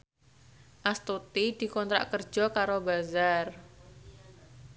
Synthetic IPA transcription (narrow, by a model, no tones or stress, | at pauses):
ʔast̪ut̪id̪̥i̤kɔnt̪ɾa̰ʔkərd̥ʒ̥ɔ̤kaɾobazar